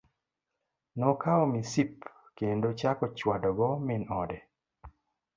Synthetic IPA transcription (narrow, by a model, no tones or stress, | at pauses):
nɔkaɔmisip | kendot͡ʃakɔt͡ʃwadɔɡɔmɪnɔdɛ